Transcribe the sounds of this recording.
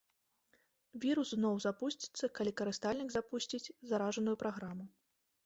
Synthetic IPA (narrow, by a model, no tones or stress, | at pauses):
vʲiɾusznɔwzapusʲt͡sʲi̥t̪sːɐkalʲikɐɾɨst̪alʲnʲiɡzapusʲt͡sʲit͡sʲzaɾaʐɐnujupɾaɣɾamu